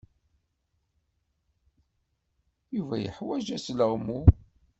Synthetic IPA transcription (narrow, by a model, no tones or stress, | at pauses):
juvæjə̰ħwæʒæsləʁmu